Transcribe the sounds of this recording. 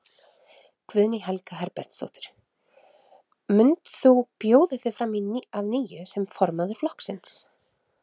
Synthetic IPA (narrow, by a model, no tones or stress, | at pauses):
kvʏðnɪɦɛlkaɦɛɾpɛɾ̥t̪so̰wht̪ɪ̥ɾ̥ | mʏnt̪θupjoːwðɪθɪfɾaminaðniːjʏsɛmfɔɾmaðʏɾ̥flɔhksɪns